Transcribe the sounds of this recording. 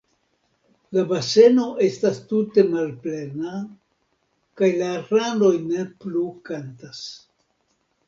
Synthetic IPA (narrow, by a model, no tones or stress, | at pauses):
labase̞no̞ʔe̞stastute̞malple̞na | kajlaɾando̞jne̞plukantas